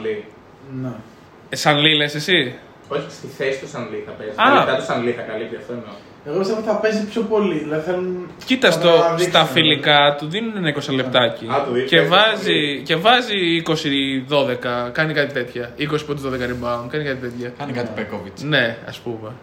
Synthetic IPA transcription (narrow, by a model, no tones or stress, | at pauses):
li | ne | sɐnlilesesi | oçist̪iθesi̥t̪osɐnliθɐpeziɐɐt̪osɐnliθɐkɐlip̚t̪iɐft̪oeno | eɣopist̪emot̪θɐpezipçopo̞liðilɐðiθelu | cit̪ɐsst̪ost̪ɐfilikɐt̪uðeninenɐikosɐlep̚t̪ɐciɐt̪uðievɐzice̞vɐziiko̞siðo̞ðe̞kɐkɐnikɐt̪it̪e̞t̪çɐiko̞sipɾot̪uðo̞ðekɐɾimbɐunkɐnikɐt̪it̪e̞t̪çɐkɐnikɐt̪ipekovit͡sne̞ɐ̰spume̞